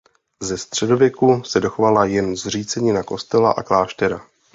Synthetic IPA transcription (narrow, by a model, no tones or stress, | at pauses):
zɛst̪r̝̥ɛdo̞vjɛkusɛdo̞xovalajɛnzr̝iːt͡sɛɲɪnako̞st̪ɛla̰ʔa̰klaːʃt̪ɛɾa